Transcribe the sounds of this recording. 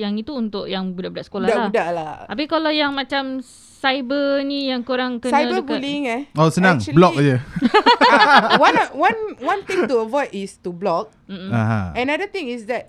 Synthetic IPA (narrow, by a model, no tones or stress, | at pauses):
jaŋit̪uːnt̪ʊʔjaŋbudahbudaʔsə̥kolahaludaʔlat̪ap̬ikalajaŋmat͡ʃam | sajbənijaŋkuɾaŋkənaãbəbliŋɛosənãŋbblɔk̚jə | wãnwãnwãnt̪ĩŋtuəvɔjdistublɔk̚m̩m̩a̰ɦa̰ɛ̃nadət̪ĩŋisdɛt̚